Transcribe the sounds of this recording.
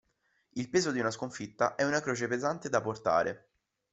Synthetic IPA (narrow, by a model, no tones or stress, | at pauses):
ilpeːzod̪iunaskoɱfit̪ːa̰ʔɛunakɾoːt͡ʃepezant̪ed̪aport̪a̰ːɾʔḛ